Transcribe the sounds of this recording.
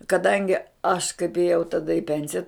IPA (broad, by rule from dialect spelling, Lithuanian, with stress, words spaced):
kɐˈdɐŋʲɡʲɪ ɐʃ kɐɪp eːˈjɛʊ tɐˈdɐ ɪ ˈpʲɛnʲsʲɪjɛ